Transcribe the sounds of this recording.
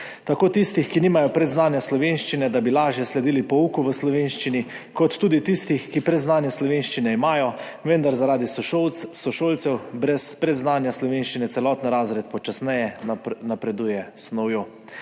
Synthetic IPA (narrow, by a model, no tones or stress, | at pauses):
t̪akoːt̪ist̪ixkiniːmajɔpɾɛd̪znaːnjaslɔʋenʃt͡ʃinɛd̪abilaːʒjɛslɛd̪iːlipɔuːkuʋəslɔʋeːnʃt͡ʃini | kɔt̪ːuːd̪it̪ist̪ixkipɾɛd̪znaːnjɛslɔʋenʃt͡ʃinɛimaːjɔ | ʋɛnd̪aɾzaɾaːd̪isɔʃowt̪ssɔʃolt̪sɛwbɾɛspɾɛd̪znaːnjaslɔʋenʃt͡ʃinɛt̪sɛlɔːt̪niɾaːzɾɛt̪pɔt͡ʃasnɛjɛnapɾɛd̪uːjɛsnɔwjo